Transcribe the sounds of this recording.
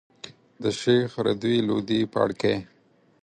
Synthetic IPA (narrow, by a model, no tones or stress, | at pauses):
d̪əʃexɾa̰d̪wilo̰d̪ipa̰ɽke